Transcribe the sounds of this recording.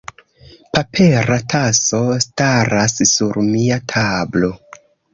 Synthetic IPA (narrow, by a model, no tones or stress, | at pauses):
papʰe̞ɾatʰaso̞staɾassuɾmiatʰablo̞